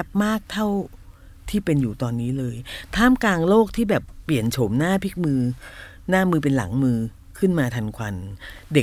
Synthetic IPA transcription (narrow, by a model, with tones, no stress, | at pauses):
p̚maː˥˩k̚t̪ʰa˥˩w | t̪ʰiː˥˩pe˧njuː˨˩t̪ɔː˧nːiː˦˥lɤː˧jt̪ʰaː˥˩mklaː˧ŋloː˥˩k̚t̪ʰiː˥˩bɛː˨˩pːli˨˩ənt͡ɕʰo˩˦mnaː˥˩pʰi˦˥k̚mɯː˧ | naː˥˩mɯː˧p̬e˧nla̰˩˦ŋmɯː˧ | kʰɯ˥˩nmaː˧t̪ʰa˧nkʰwa˧nde˨˩